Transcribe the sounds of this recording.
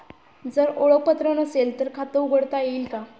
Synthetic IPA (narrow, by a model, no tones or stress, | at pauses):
d͡zəɾoɭək̚pət̪ɾənəselt̪əɾkʰat̪əuɡʱəɽt̪ajeːlka